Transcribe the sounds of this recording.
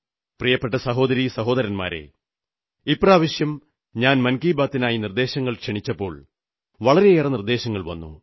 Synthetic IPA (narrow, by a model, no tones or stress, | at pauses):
prijɐpːe̞ʈːɐsɐɦo̞ːd̪ɐɾisɐɦo̞ːd̪ɐɾɐnma̰ːɾḛ | ipːraːʋɐɕjɐm | ɲaːnmɐnkiːbaːt̪ːinaːjinird̪e̞ːɕɐŋːɐɭkʂeɳit͡ɕːɐpːo̞ːɭ | ʋɐɭɐɾe̞eːrɐnird̪e̞ːɕɐŋːɐɭʋɐ̰nːṵ